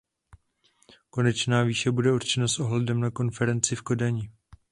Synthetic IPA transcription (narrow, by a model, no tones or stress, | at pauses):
ko̞nɛt͡ʃnaːviːʃɛbudɛuɾt͡ʃɛnasʔo̞ɦlɛdɛmnako̞nfɛɾɛnt͡sɪfko̞daɲɪ